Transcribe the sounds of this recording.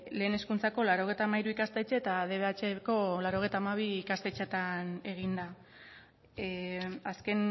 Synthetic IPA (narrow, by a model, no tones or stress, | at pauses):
le̞ːne̞skunt͡sako̞laɾo̞ɣ̞ejt̪amaiɾuikast̪et͡ʃet̪að̞e̞βe̞at͡ʃeko̞laɾo̞ɣ̞ejt̪amaβ̞iːkast̪e̞t͡ʃet̪ane̞ɣind̪a | aske̞n